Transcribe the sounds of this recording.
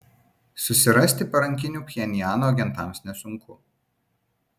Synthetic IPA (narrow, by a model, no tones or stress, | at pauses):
sʊsʲɪɾɐsʲt̪ʲɪpɐɾɐŋʲkʲɪnʲuːpʲɪjɛnʲɪjæːnoːɡʲɛnt̪ɑˑmsnʲɛsʊŋkʰʊ